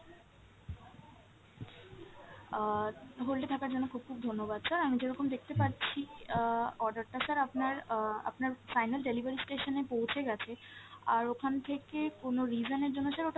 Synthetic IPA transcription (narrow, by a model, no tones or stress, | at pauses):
ɦolʈet̪ʰakaɾd͡ʑonːokʰub̚kʰub̚d̪ʱonːobad̪saɾamid͡ʑeɾɔkomd̪ekʰt̪epaɾt͡ɕʰi | ɔɾɖaɾʈasaɾapnaɾa̰pnaɾfajnalɖelibaɾisʈeʃonepowt͡ɕʰeɡɛt͡ɕʰeaɾokʰant̪ʰekekonoɾid͡ʑoneɾd͡ʑonːoʃaɾoʈ